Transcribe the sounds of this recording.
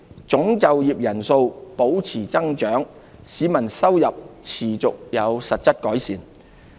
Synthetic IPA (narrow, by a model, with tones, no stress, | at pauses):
t͡sʊ˨˥ŋt͡sɐ˨wjiː˨p̚jɐ˨˩nso˧wpo˨˥wt͡sʰiː˨˩t͡sɐ˥ŋt͡ʃœː˨˥ŋsiː˨˧mɐ˨˩nsɐ˥wjɐ˨p̚t͡sʰiː˨˩t͡sʊ˨k̚jɐ˨˧wsɐ˨t̚t͡sɐ˥t̚kɔː˨˥jsiː˨˩n